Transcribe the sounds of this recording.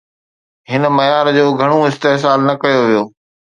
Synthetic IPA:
ɦɪn̆mɐjaːɾd͡ʑoːɡʱɐɽ̃oɪst̪eɦs̬aːlnɐkɐjoʋijoː

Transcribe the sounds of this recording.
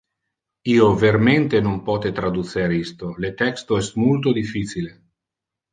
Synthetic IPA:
iːoverment̪enompɔt̪et̪ɾad̪ut̪seɾist̪olet̪ɛkst̪oɛsmult̪od̪ifːiːt͡ʃile

